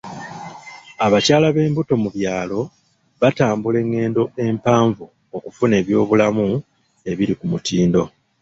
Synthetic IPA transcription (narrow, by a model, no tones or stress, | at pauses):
aβacaːlaβe̞ːmbuto̞muβjaːlo̞ | βataːmbule̞ŋːe̞ːndo̞e̞mpaːɱvu | okufune̞ːβjo̞ːβulamu | e̞βiɾikumutiːndo̞